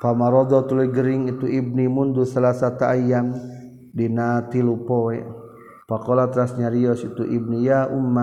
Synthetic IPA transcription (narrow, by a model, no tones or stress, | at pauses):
pamaɾɔd̪ɔt̪uluiɡəɾiŋit̪uib̚nimund̪usalasat̪aʔːjan | dinat̪ilupɔɛ | pakɔlat̪ɾasɲaɾiɔsit̪uʔib̚nijaumːa